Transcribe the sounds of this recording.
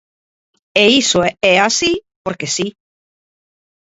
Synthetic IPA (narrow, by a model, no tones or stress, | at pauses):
eisoɛasipoɾkesi